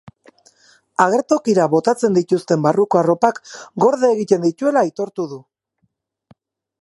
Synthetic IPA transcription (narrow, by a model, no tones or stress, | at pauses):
aɣ̞e̞ɾt̪o̞kiɾaβo̞t̪at͡se̞nd̪it̪ust̪e̞mbaruko̞aro̞pakɡo̞ɾðeːɣit̪e̞nd̪it̪ue̞lait̪o̞ɾt̪uðu